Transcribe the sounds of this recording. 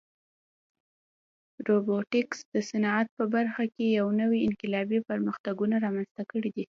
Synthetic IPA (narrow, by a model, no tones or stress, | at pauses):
ɾoboʈɪksd̪̥əsanɑat̪̚pəbaɾxakejawnəwiɪnqɪlɑbipəɾməxt̪aɡunaɾɑmanz̥t̪akəɽid̪i